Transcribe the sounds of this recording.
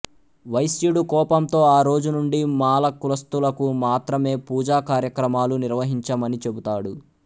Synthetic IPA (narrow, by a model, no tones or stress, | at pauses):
ʋɐjsjuɽukɔːpɐmt̪o̞ːaːɾo̞ːd͡ʒunuɳɖimaːlɐkulɐst̪ulɐkumaːt̪ɾɐme̞ːpuːd͡ʒaːkaːɾjɐkɾɐmaːluniɾʋɐɦiɲt͡ʃɐmɐnit͡ʃe̞but̪aːɽu